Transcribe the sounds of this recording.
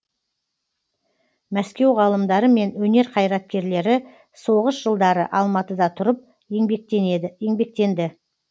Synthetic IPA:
mæskʲe̞wʁɑlˠəmd̪ɑɾəme̞nwɵne̞ɾqʰɑjɾɑt̪̚kʲe̞ɾle̞ɾɪ | so̞ʁəsʒəlˠd̪ɑɾə̰ʔɑlˠmɑt̪əd̪ɑt̪ʰʊɾəp̚ | jeŋbe̞k̚t̪e̞nd̪ɪ

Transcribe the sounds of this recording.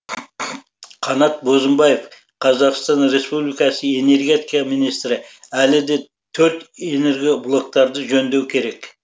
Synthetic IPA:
qʰɑnɑt̪̚bo̞zəmbɑje̞f | qʰɑzɑqst̪ɑnɾe̞spublijkɑsəe̞ne̞ɾɡʲe̞t̪ikɑminijst̪ɾɪælɪd̪e̞ | t̪ʰɵɾt̪ene̞ɾɡʲeblˠo̞k̚t̪ɑɾd̪əʒɵnd̪e̞wkʲʰe̞ɾe̞k

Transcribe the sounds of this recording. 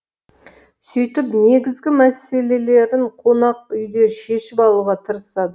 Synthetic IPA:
sʏjt̪ɪpne̞ɡʲɪzɡʲɪmæse̞le̞le̞ɾɪɴqʰo̞nɑq̚ʏjd̪e̞ʃe̞ʃɪpɑlˠuʁɑt̪ʰəɾəsɑd̪ə

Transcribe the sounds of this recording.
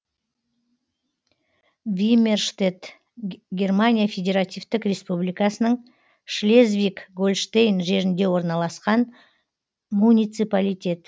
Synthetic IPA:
vʲimʲerʃt̪et̪ | ɡʲe̞rmanʲijafʲe̞dʲe̞ɾat̪ʲijvt̪ɪkrʲe̞spublijkɑsənəɴ | ʃlʲezvʲikɡolʃt̪ejnʒe̞ɾɪnd̪e̞wo̞ɾnɑlˠɑsqɑn | munʲijt̪sɨpalʲijt̪ʲe̞t̪

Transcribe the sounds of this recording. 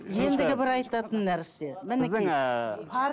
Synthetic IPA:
je̞nd̪ɪɡʲɪbɪɾɑjt̪ɑt̪ənːæɾse̞mɪnɪɪpʰɑ

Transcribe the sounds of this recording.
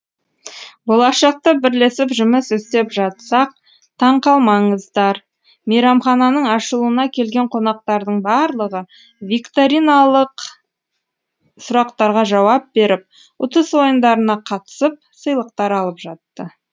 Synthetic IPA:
bo̞lˠɑʃɑq̚t̪əbɪɾle̞sɪpʒʏməsɵst̪e̞pʒɑt̪sɑq̚ | t̪ʰɑɴqɑlˠmɑɴəzd̪ɑɾ | mejɾɑmχɑnɑnəɴɑʃəlˠuənɑkʲʰe̞lɡʲe̞ɴqʰo̞nɑq̚t̪ɑɾd̪əɴbɑɾlˠəʁə | vikt̪oɾinɑlˠəq | sʊɾɑqt̪ɑɾʁɑʒɑwɑp̚be̞ɾɪp̚ | ʊt̪əswo̞jənd̪ɑɾənɑqʰɑt̪ə̥səp̚səjlˠəqt̪ɑɾɑlˠəpʒɑt̪ːə

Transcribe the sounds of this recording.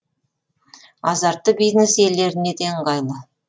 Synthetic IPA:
ɑzɑɾt̪ːəbijznese̞lːe̞ɾɪne̞d̪eŋqɑjlˠə

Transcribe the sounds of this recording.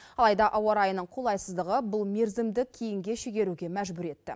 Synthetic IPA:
ɑlˠɑjd̪ɑʔɑwɑɾɑjənəɴqʰulˠɑjsəzd̪əʁəbʊlˠme̞ɾzɪmd̪ɪkʲʰejɪŋɡʲe̞ʃʏɡʲe̞ɾuɡʲe̞mæʒbʏɾe̞t̪ːɪ̰

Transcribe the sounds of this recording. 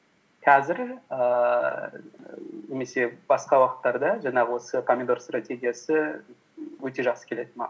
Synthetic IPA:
qʰɑzɪɾə | ne̞me̞se̞bɑsqɑwɑqə̥t̪ːɑɾd̪ɑʒɑɴɑʁəwo̞səpʰamʲed̪o̞ɾst̪rat̪ʲe̞ɡʲijasə | wɵt̪e̞ʒɑqsə̥kʲʰele̞d̪ɪmɑ̰

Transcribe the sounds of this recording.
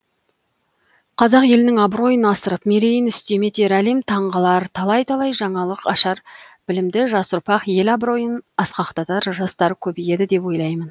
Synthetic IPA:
qʰɑzɑqje̞lɪnɪŋɑbɾo̞jənɑsəɾəpme̞ɾe̞jɪnʏst̪e̞me̞t̪eɾɑlimt̪ʰɑɴʁəlˠɑɾt̪ʰɑlˠɑjt̪ʰɑlˠɑjʒɑɴɑlˠəqɑʃɑɾb̥ɪlɪmd̪ɪʒɑsʊɾpɑqje̞lɑbɾo̞jənɑsqɑqt̪ɑt̪ɑɾʒɑst̪ɑɾəkʲʰɵbije̞d̪ɪd̪e̞pwo̞jlˠɑjmən

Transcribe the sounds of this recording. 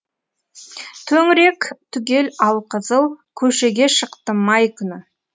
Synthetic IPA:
t̪ʰɵŋɾe̞kt̪ʰʏɡʲe̞lɑlˠqʰəzəlˠkʲʰɵʃe̞ɡʲe̞ʃəqt̪əmɑjkʲʰʏnɪ

